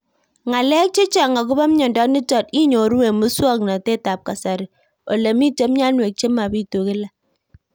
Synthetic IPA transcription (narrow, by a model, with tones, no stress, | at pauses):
ŋa˨lɛ˦k̚t͡ʃe˦t͡ʃa˨ŋa˨k̬ʊ˦ba˦m˦ɲɔ˨ndɔ˦ni˦tɔ˨ti˦ɲo˨ɾwe˨mu˦swɔ˦kna˨te˦ta˨p̚ka˨sa˨ɾi˨ | o̰˨le˨mi˦te˦mɲa˦nwe˨k̚t͡ʃe˦ma˨bi˦to˨ke˦la˦˨